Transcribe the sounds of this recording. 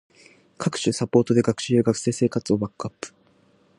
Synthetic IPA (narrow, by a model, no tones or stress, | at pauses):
kʰakɯ̟̥ɕɨsapo̞ːt̪o̞d̪e̞ɡakɯ̥ɕijɯɡakɯ̟̥se̞ːse̞ːkat͡sɨo̞bakːɯ̟apːɯ̥